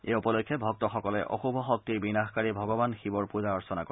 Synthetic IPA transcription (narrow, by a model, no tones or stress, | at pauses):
eupɔlokʰːjɛbʱɔk̚tɔxɔkɔlɛ̰ʔɔ̰xubʱɔxɔk̚tiɹbinaxkaɹibʱɔɡɔbanxibɔɹpuzaɔɹsɔna̰ko